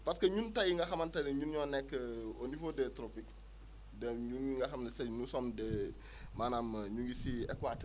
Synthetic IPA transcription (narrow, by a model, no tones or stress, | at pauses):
pɐskɐɲuntɐjiŋɡɐxɐmɐntɐdɛɲunɲɔːnɛkːəonifodɛtɾopik̚ | dɛɲuniŋɡɐxɐmnɐsɛnusɔndɛ | manaːmɲuŋɡisiɛ̰kwat